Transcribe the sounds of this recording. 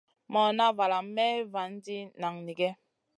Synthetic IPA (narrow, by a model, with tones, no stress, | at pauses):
mɔ˨na˦va˨la˨m˦mɛ˦va˨n̩˦di˦na˨ŋni˨ɡɛ˦